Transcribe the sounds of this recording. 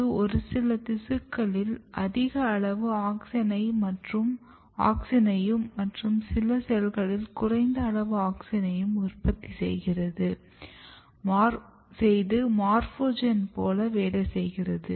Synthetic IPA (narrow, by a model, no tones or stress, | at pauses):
ɯɔɾɯsɪlɐt̪ɪsɯkːɐɭɪlʔɐðɪɣɐːɭɐʋɯaːksɐnɐɪmɐʈrɯm | aːksɪnɐjɯmːɐʈrɯmsɪlɐsɛlɣɐɭɪlkʊrɐɪnd̪ɐːɭɐʋɯaːksɪnɐjɯmʊrpɐt̪ːisɛ̰jɣɪrɐðɯ | maːɾ | sɛjðɯmaːɾfoːd͡ʒɐnpoːlɐʋeːɽɐsɛjɣɪrɐðɯ̰